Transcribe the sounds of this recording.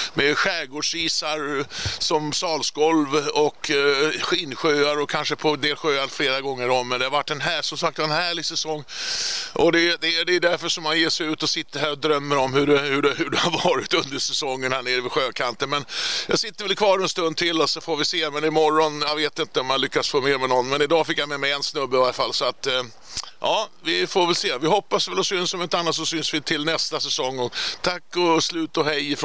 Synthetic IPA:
mɛɧæːɡoːɖʂiːsaɾsɔmsɑːlsɡɔlvɔkɧiːnɧøːaɾɔkʰanʂəpʰɔd̪eːlɧøːaɾfleːɾaɡɔŋːəɾɔmːɛnd̪ɛhaɾvaʈːɛnɦæːʂɔmsak̚t̪aɛnhæːɭɪɡsɛsɔŋːʔɔd̪ɛd̪ɛd̪ɛɖ̪æɾfœʂɔmːanjeːʂɛjʉ̟ːt̪ɔsɪt̪ːəɾɦæːɾɔd̪ɾœmːəɾɔmhɵɾɛhɵɖɛhɵɖɛhaɾvɑːɾɪt̪ɵnd̪əʂɛsɔŋːənhæːɳeːɾvɪɧøːkʰant̪ənmɛnjɑ̰ːɡsɪt̪ːəɾvɛlkʰvɑːɾɛnst̪ɵnd̪̚t̪ʰɪlːɔsɔfoːɾvɪseːmɛnɪmɔrːɔnjɑveːt̪ɪnt̪əɔmjanlʏkːasfoːmeːɾmɛnɔnːmɛnɪd̪ɑːfɪkːjamɛmɛɪɛnsnɵbːəɪvaɾəfalːsɔat̪ | ʔɑːvɪfoːɾvɛlseːvɪɦɔpːasvɛlɔsʏnsɔmɛnt̪anːat̪sɔsʏnsvɪt̪ʰɪlnɛst̪asɛsɔŋːɔt̪ʰakːɔslʉ̟ːt̪ɔɦɛjɪf

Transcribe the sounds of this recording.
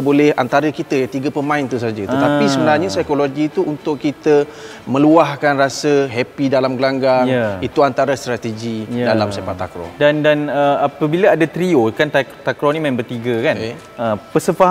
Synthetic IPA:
bolɛha̰nt̪aɾəkit̪əjat̪iɡəpəmãɪnt̪us̬ad͡ʒət̪ət̪apisəbənarɲasajkoloɡit̪uunt̪ʊkkːit̪ə | mə̃luahkanrasəɦɛpidalamɡlaŋɡaŋit̪uant̪aɾast̪ɾat̪eɡidalamsefat̪ːa̰kɾɔ̰dandanəapəbilaadat̪ɾiokant̪at̪akɾɔnimãɪ̃nbərt̪iɡəkan | əpəsəfa

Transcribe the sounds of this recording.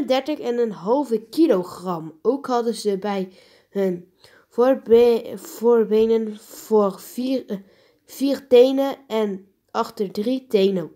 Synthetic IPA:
əndɛɹtəχɪnənɦɑlˠvəkiloχrɑmowkɦɑdəzəbɛj | hən | voɹbejnənvor | v̥iːrtejnəɛn | ɑχtəɹdritejnə

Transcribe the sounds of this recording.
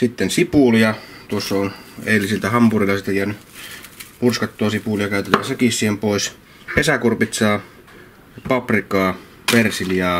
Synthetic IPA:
sit̪ːensipuˑlijɑt̪uosːɑonḛˑilːisilt̪æhɑmpurilːˑɑsit̪ːejæny | purskɑt̪ːoɑsipulijɑkæˑyt̪et̪æːnsekissiːhempoˑis | kesækurpit̪sɑː | pɑprikˑɑː | persiljɑː

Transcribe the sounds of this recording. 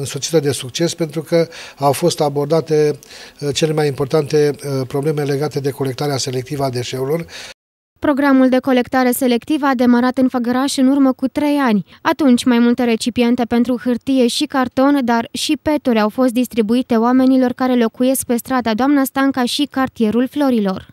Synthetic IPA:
ɨnsot̪sit̪əd̪e̞sukt͡ʃe̞spe̞nt̪ɾukəawfo̞st̪abo̞rd̪at̪e̞ | t͡ʃe̞lemajimpo̞rt̪ant̪e̞pɾo̞ble̞me̞le̞ɡat̪e̞d̪e̞ko̞le̞k̚t̪aɾease̞le̞k̚t̪ivəad̪e̞ʃe̞ulor | pɾo̞ɡɾamuld̪e̞ko̞le̞kt̪aɾe̞se̞le̞kt̪ivəad̪e̞məɾat̪ɨnfəɡəɾaʃɨnurməkut̪ɾe̞janʲ | at̪unt͡ʃʲmajmult̪e̞ɾe̞t͡ʃipie̞nt̪e̞pe̞nt̪ɾuxɨrt̪ije̞ʃikart̪o̞nd̪arʃipe̞t̪uɾʲawfo̞st̪̚d̪ist̪ɾibuit̪e̞oame̞nilo̞rkaɾe̞lo̞kuje̞sk̚pe̞st̪ɾad̪ad̪oamnast̪aŋkaʃikart̪ije̞ɾulflo̞ɾilo̞r

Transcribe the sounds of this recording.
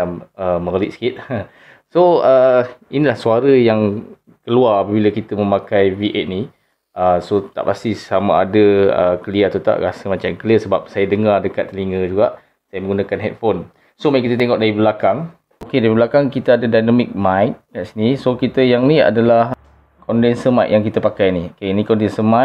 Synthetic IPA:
aməməɡəliʔsə̥kit̪̚ə | soəinilahsuaɾəjaŋ | kəluarapəbiləkit̪əmə̃makajviʔɛt̪̚ni | ʔəsot̪a̰ʔpast̪isamaːdəəkəliat̪ut̪a̰ʔɾasəmat͡ʃamkəliəsəbap̚sajadəŋardəkat̪ːəliŋəd͡ʒuɡaʔ | sajamə̃ŋɡunakanɦɛt̪̚fon | somakit̪ət̪eɛŋɔʔ̚daɾibəlakaŋ | okedaɾibəlakaŋkit̪əadadajnamik̚majt̪̚kaʔsinisokit̪əjaŋnia̰dalah | kɔndɛnsəmajʔjaŋkit̪apakajniokenikɔndɛnsəma

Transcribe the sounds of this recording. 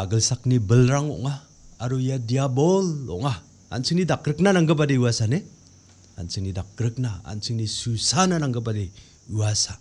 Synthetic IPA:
aɡəlsak̚nibəlɾaŋɔ̰ʔŋaː | ɾujadiabolɔ̰ʔŋa̰ː | nsʰɯŋnidakɾɯk̚nanaŋɡɯp̬adeuasane | a̰nsʰiŋnidak̚ɾɯk̚naa̰nsʰiŋnisusananaŋɡɯp̬ade | uasa

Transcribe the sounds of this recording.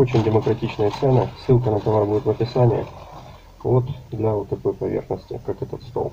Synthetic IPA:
ot͡ɕɪnʲdʲɪməkɾɐtʲit͡ɕnəjət̪sɛnəsɨlˠkənət̪ɐvarbudʲɪt̪vəpʲɪsanʲɪjɪ̰ | vo̞t̪d̪lʲɐot̪ːɐko̞jpɐvʲerxnəsʲtʲɪ̰kakɛt̪ət̪st̪o̰lˠ

